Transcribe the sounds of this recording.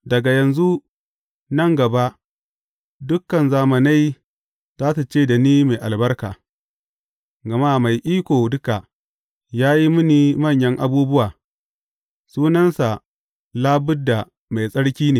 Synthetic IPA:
dɐ˨ɡa˨jɐ˨nzu˦ | nɐ˦˨ŋɡɐ˨ba˦ | dʊ˦kːɐ˨nzaː˨mɐ˨na˦j | zaː˦ta˨t͡ʃeː˦˨da˨niː˦ma˨jʔa˨lbɐ˦rkaː˨ | ɡɐ˨ma˦ma˨jʔiː˦kʷoː˨dʊ˦ka˨ | jaː˦ji˦mʊ˦ni˨mɐ˦˨ɲjɐ˦ŋʔa˦buː˦bʊ˦waː˨ | suː˦nɐ˦nsa˨ | laː˦bʊ˦dːa˨ | ma˨jsʼɐ˦ɽkʲiː˦neː˨

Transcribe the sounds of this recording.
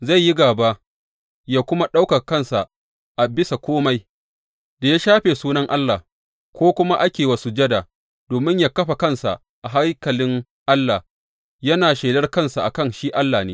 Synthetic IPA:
za˦˨jːi˦ɡaː˨ba˦ | jaː˦kʷʊ˦ma˦ɗa˦wkɐ˨kɐ˦˨nsa˨ʔ | ʔa˨bɪ˦sa˨kʷoː˦ma˦j | da˨ja˦ʃaː˦ɸeː˨suː˦nɐ˦ŋʔa˦lːaː˨h | kʷoː˦kʷʊ˦ma˦ʔa˦kʲeː˨wa˨su˦d͡ʒɐ˦da˨ | d̥oː˨mɪ˦ɲjaː˦kɐ˦ɸa˨kɐ˦˨nsa̰˨ʔ | ʔa˨ɦa˦ŋkɐ˨lɪ˦ŋ | ʔa˦lːa˨ | jɐ˦naː˨ʃeː˨dɐ˦rkɐ˦nsa˨ʔa˨kɐ˦˨nʃiː˦ʔa˦lːaː˨neː˦

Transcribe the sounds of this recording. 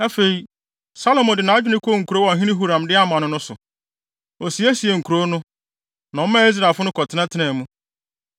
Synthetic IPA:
ɛ˦fe˨i˦ | sa˦lo˨mɔ̃˨dɪ˨nã˨˦a˦d͡ʑᶣɪ˦nɪ̃˦kʰo˦˨ŋ̩˨ku˨ɾo˦wɦĩ˦nɪ̃˦ɦu˦ɾã˨mdɪ˦a˦mã˨nʊ̃˦nʊ̃˦sʊ̰˨ | ɔ˨si˨æ˦si˨e˨ŋ̩˨kʰu˨ɾo˦nʊ̃˦ | nã˨ɔ˦mã˦e˦zɾa˨fʊ˦nʊ̃˦kʰɔ˨tʰɪ˦nã˦tʰɪ˦nɛ̃˨mũ˦

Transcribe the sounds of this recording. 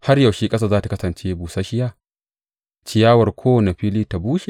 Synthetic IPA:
ha˦rja˨wʃiː˦kʼɐ˦saː˦zaː˦ta˨kɐ˦sɐ˨nt͡ʃeː˦buː˨sa˦ʃɪ˦jaː˦˨ | t͡ʃɪ˦jaː˦wɐ˨rkʷʰoː˦wne˨ɸiː˦liː˦ta˨buː˦ʃe˨

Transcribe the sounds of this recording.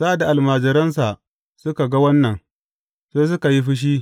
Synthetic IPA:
za˦˨da˨ʔa˨lmaː˨d͡ʒɪ˨ɾɐ˦ns̬a˨ʔ | sʊ˦ka˨ɡa˦wɐ˦nːɐ˨ŋ | seː˦s̬ʊ˦ka˨ji˦ɸɪ˦ʃ̬iː˦

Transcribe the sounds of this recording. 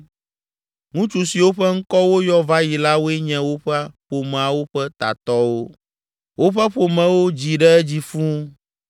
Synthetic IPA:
ŋũ˦t͡ʃu˨si˨wo˦ɸɛ˦ŋ̩˦kɔ˦wo˦jɔ˦va˦ji˨la˦wo˦ɛ˦ɲɛ̃˦wo˦ɸɛ˦ɸo˨mɛ̃˨a˨wo˦ɸɛ˦t̪a̰˨t̪ɔ˦wo˦ | wo˦ɸɛ˦ɸo˨mɛ̃˨wo˦d͡ʑi˨ɖɛ˦d͡ʑi˨fũ˦

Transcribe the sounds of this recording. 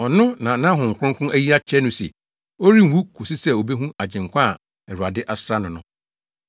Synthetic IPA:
ɔ˨nʊ̃˦nã˨nã˦ɦʊ̃˨ŋ̩˨kʰʷʊ̃˦ŋ˦kʊ̃˦ʔæ˦ji˦a˦t͡ɕʰɛ˦nʊ̃˦sɛ̰˨ | o˦ɾi˦m˨wu˦kʰʊ˨sɪ˦sɛ˦o˨be˦ɦũ˦a˨d͡ʑɪ̃˨ŋ̩˨kʷã˦˨ | ɛ˨ɾu˨a˨dɪ˦ʔa˨sɾa˦nʊ̃˨nʊ̃˦

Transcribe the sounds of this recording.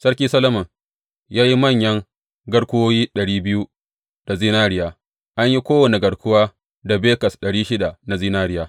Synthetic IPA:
sɐ˦ɽkʲiː˦sɐ˦lɐ˦mɐ˨ŋ | jaː˦ji˦mɐ˦˨ɲjɐ˦ŋ | ɡɐ˦ɽkʷʊ˦woː˦jiː˦ɗɐ˨ɽiː˦bɪ˦ju˦ | d̥a˨ziː˦naː˦ɽɪ˦jaː˨ | ʔa˦ɲji˦kʷoː˦wɐ˨ne˨ɡɐ˨ɽkʷʊ˦waː˦ | da˨beː˦kɐ˨sɗɐ˨ɽiː˦ʃɪ˦da˨na˨ziː˦naː˦ɾɪ˦jaː˦

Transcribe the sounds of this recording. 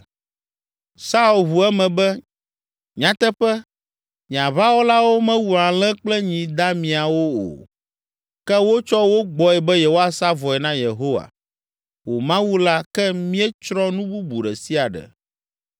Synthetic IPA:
sa˦u˨lβu˨ɛ˦mɛ̃˨bɛ˦ | ɲ̃˨ã˨t̪ɛ˦ɸɛ˦ | ɲĩ˨ã˨βa˦wo˦la˦wo˦mɛ̃˦wu˨ã˨lɛ̃˦k͡plɛ˦ɲĩ˨d̪a˦mĩ˨a˨wo˦o̰˨ | kɛ˦wo˦t͡ʃɔ˦wo˦ɡ͡bɔ˨ɛ˨bɛ˦je˨wo˦a˦sa˦vɔ˨ɛ˨nã˦je˨ɦo˦wa̰˨ | wo˨mã˦wu˦la˦kɛ˦mĩ˦ɛ˦t͡ʃɾɔ˦nũ˦bu˦bu˨ɖɛ˨si˦a˨ɖɛ̰˨

